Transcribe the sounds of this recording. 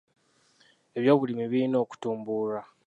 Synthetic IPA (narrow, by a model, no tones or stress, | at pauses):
e̞βjo̞ːβulimiβiɾino̞ːku̥tuːmbuɾa